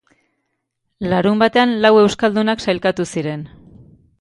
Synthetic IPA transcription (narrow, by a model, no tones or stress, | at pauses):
laɾumbat̪e̞anlawe̞wskald̪unaksajlkat̪usiɾe̞n